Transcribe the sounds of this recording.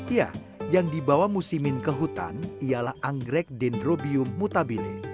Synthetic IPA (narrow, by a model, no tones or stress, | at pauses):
ja̰ | jaŋdibawamusimɪnkəɦut̪a̰nialahʔaŋɡɾɛk̚dɛndrobiʊmːut̪abilḭ